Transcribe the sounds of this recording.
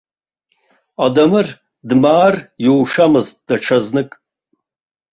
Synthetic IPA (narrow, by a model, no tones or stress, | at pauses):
adamɨr | dmaːrjowʂamɨztʼdaʈ͡ʂʰaznɨkʼ